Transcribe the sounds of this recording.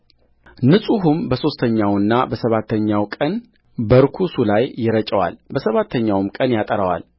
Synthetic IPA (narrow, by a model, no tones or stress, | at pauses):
nɨsʼuɦumbəso̞st̪ʰəɲːawɨnːabəsəβat̪ʰːəɲːawkʼən | bəɾkʰusulajːɪɾət͡ʃʼəwa̰lbəsəβat̪ʰːəɲːawmkʼənjat̪ʼəɾəwa̰l